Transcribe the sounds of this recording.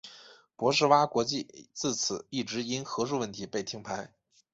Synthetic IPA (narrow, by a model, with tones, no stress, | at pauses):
pwɔ˧˥ʂ̬ɻ̩˥˧wa˥kwɔ˧˥t͡ɕi˥˧t͡sɹ̩˥˩t͡sʰɹ̩˨˩i˥˩ʈ͡ʂɻ̩˧˥i˥nxɤ˧˥ʂu˥˧wə˥˩nt̪ʰi˧˥pe˥˩ɪt̪ʰi˧˥ŋpʰa˧˥ɪ